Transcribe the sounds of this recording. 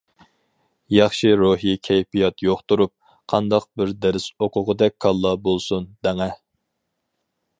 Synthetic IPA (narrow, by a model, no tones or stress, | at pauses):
jɑχʃiɾoɦikʲʰɛjpijɑt̪joχt̪uɾup̚ | qʰɑnd̪ɑq̚bɪɾd̪æɾɪsoqʰʊʁəd̪ɛk̚ʲkʰːɑlˠːɑbolˠsund̪æŋæ